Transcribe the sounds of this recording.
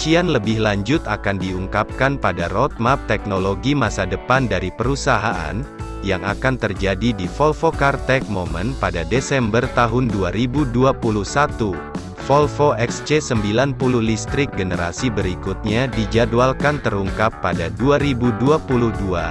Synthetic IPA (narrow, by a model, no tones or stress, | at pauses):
t͡ʃianləbɪhlaɲd͡ʒʊt̪akandiuŋkap̚kanpadaɾɔt̪̚map̚t̪ɛk̚noloɡimasadəpandaɾipəɾusaɦaʔa̰n | jaŋʔa̰kant̪ərd͡ʒadidifɔlfokart̪ɛk̚momənpadadesɛmbərt̪aɦʊnduaɾibuduapuluhsat̪u | fɔlfoʔɛkst͡ʃesəmbilanpuluhlist̪ɾɪk̚ɡənəɾa̰sibəɾikut̪̚ɲadid͡ʒadualkant̪əɾuŋkapːadaduaɾibuduapuluhdua